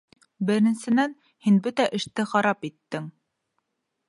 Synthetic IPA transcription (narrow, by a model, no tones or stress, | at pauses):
bɘ̆ɾɘ̆nsɘ̆næn | hinbɵt̪æʔɘ̆ʃt̪ɘχɑɾɑpit̪ːɘŋ